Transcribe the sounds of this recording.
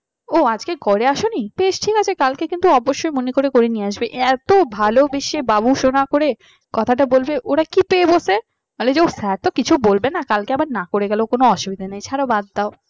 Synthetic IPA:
oad͡ʑkekoɾeaʃonibeʃʈʰikat͡ɕʰekalkekint̪uɔboʃːojmonekoɾekoɾenieaʃbeʔɛt̪obʱalobeʃebabuʃonakoɾe | kɔt̪ʰaʈabolbeʔoɾakipeebose | ɦoled͡ʑeosɛɾt̪okit͡ɕʰubolbenakalkeabaɾnakoɾeɡɛlokonoɔʃubid̪ʱanajt͡ɕʰaɾabad̪ːao

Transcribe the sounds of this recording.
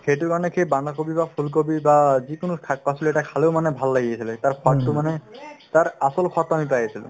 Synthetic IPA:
kʰejʈʊɹkaɹɔnɛkʰejbanakobibapʰulk̬obibazikonokʰapasʰiloɛʈakʰaleʊmanɛbʱalːaɡiesʰiletaɹkʰatːʊmanɛt̪aɹasɔlkʰat̪amipajesʰilʊ̰̃

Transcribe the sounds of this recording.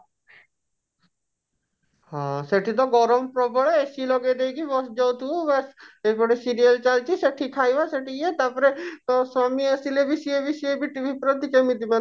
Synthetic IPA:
hɔ̃seʈʰit̪̬ɔɡɔɾɔmpɾɔbɔɭesilɔɡed̪ejɡiʋɔsd͡ʒɔwt̪ʰuʋasepɔɽesiɾijəlt͡ʃalt͡ʃiseʈʰikʰaːiʋaseʈiet̪aːpɔɾet̪ɔsamiəsilebʱisiebisiebʱiʈibʱipɾɔt̪ikemid̪iman

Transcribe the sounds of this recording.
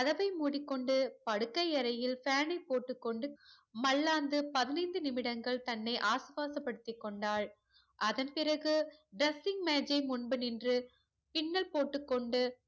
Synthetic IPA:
ɐðɐʋɐɪmuːɽɪkːɔɳɖɯpɐɽɯkːɐɪɐɾɐjɪlfaːnɐɪpːoːʈːɯkːɔɳɖɯ | mɐlːaːnd̪ɯpɐðɪnɐɪnd̪ɯnɪmɪɽɐŋɡɐɭt̪ɐnːɐɪʔaːsɯʋaːsɐpːɐɽɯt̪ːɪkːɔɳɖaːɭ | ʔɐðɐnpɪrɐɣɯɖɾɐsɪŋɡmeːd͡ʒɐɪmʊɳbɯnɪndrɯ | pɪnːɐlpoːʈːɯkːɔɳɖɯ

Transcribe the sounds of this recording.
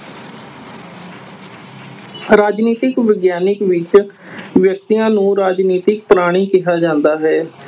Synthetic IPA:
ɾaːd͡ʒniːt̪ɪkʋɪɡjaːnɪkʋɪt͡ʃ | ʋjəkt̪ijãːnũːɾaːd͡ʒniːt̪ɪk̚pɾaːɽ̃iːkɪɦaːd͡ʒãːnd̪aːɦɛː

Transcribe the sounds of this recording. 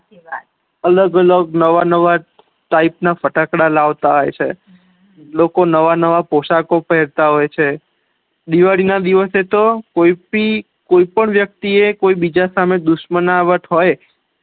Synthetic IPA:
ələɡələɡnəʋanəʋa | ʈaipnafəʈakɽalaʋt̪aɦojt͡ʃʰḛ | lokonəʋanəʋapoʃakopəɦɛɾt̪aɦojt͡ʃʰe | d̪iʋaɽinad̪iʋəset̪okoipi | koipəɳʋjək̚t̪iekoibid͡ʒasamed̪ʊʃmənaʋət̪ɦoj

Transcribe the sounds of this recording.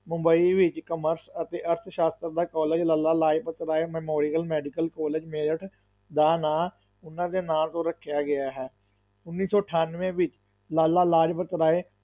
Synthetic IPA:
mʊ̃mbəiːʋɪt͡ʃkəməɾsət̪eːʔəɾt̪ʰʃaːst̪ɾd̪aːkɔːled͡ʒlaːlaːlaːd͡ʒpət̪ɾaːeːmɛːmɔːɾɪjəlmɛːɖɪkəlkɔːleːd͡ʒmeːɾəʈ | d̪aːnaː | ʊnãːd̪eːnaːlt̪õːɾəkʰːjaːɡɪaːɦɛː | ʊnːiːsɔːʈʰaːnʋẽːʋɪt͡ʃ | laːlaːlaːd͡ʒpət̪ɾaːeː

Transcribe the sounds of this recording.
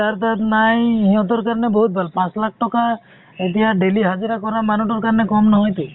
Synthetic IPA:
t̪aɾt̪at̪najɦiɔ̃t̪ɔɾkaɾɔnebɔɦut̪̚bʱalpãt͡ʃlakʰʈɔka | et̪iaɖeliɦad͡ʒiɾakɔɾamanuʈɔɾkaɾnekɔmnɔɦɔjt̪e

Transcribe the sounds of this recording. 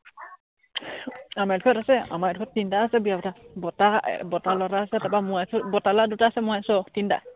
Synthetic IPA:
amadikʰɔtasɛa̰madukʰɔtːintaːsɛbijabɔtabɔta̰bɔtalaɾaːsɛtapamʊasʊbɔtaladutaːsɛmʊasɔtinta̰

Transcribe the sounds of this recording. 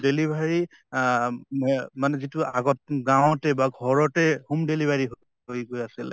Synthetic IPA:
delibʱaɹi | manɛzituaɡɔt̚ɡãwtɛbaɡʱɔɹɔtɛhumdelibʱaɹiɦo | ɦojɡojasil

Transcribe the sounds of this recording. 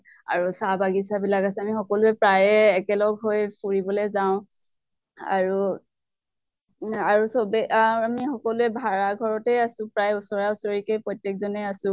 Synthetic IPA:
a̰ɹusabaɡisabilakasɛamixɔkɔlʊɛpɹajɛːkɛlɔɡɦojpuɹibɔlezaʊ̃ | a̰ɹu | aɹusobɛʔaamixɔkɔlʊɛbʱaɹaɡʱɔɹɔtɛasʊ̃pɹajusɔɹaʊsɔɹikejpɹɔjtːek̚zɔnɛasʊ̃

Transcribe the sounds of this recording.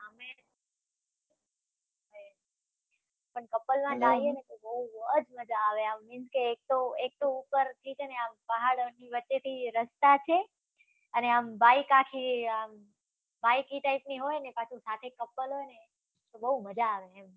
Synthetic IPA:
əme | e | pəɳkəpːəlmãd͡ʒaienet̪obəuəd͡ʒməd͡ʒaːʋeamːĩnd͡ʒkeːk̚t̪oek̚t̪oupəɾt̪ʰit͡ʃʰeəneampəɦaɽniʋətːʃet̪ʰiɾəst̪at͡ʃʰe | əneambaikãkʰiam | baikiʈaipniɦojnepat͡ʃʰusat̪ʰekːəpːəlɦojne | t̪obəuməd͡ʒaːʋeɦem

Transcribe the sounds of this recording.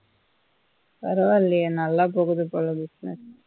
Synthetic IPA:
pɐɾɐʋɐlːɪjenɐlːaːpoːɣɯðɯpːoːlɐbɪsnɛ̰s

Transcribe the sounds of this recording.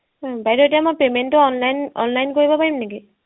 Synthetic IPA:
bajtɔetijamɔpementːʊɔnlajnɔ̰nlajnkoɹibɔpaɹimneki

